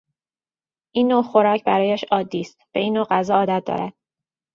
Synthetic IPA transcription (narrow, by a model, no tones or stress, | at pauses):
ʔiːnːoːxo̞ɾɒːcʰbæɾɒːjæʃɒːd̪ːiːst̪beiːnːoːɢæzɒːɒːd̪æt̪̚d̪ɒ̰ːɾæ̰d̪̥̚